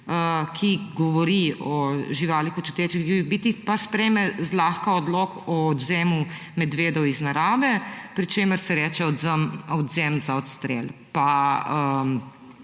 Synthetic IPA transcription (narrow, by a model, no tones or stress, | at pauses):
əkʰiɡɔʋɔɾiɔʒiʋaːlixut͡ʃut̪eːt͡ʃiɣʒiːʋiɣbiːt̪ixpaspɾɛjmɛzlaːxkaɔd̪lɔːkɔːd̪zɛːmumɛd̪ʋeːd̪ɔwiznaɾaːʋɛpɾit͡ʃeːməɾsɛɾɛːt͡ʃɛɔɔd̪zɛmzaɔt̪st̪ɾḛlpaə